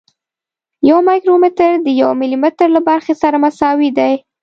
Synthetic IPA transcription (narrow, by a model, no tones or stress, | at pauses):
jawmɑjkɾomɪt̪əɾd̪əjawmɪlimɪt̪ɾlabaɾxesaɾamasɑwid̪aj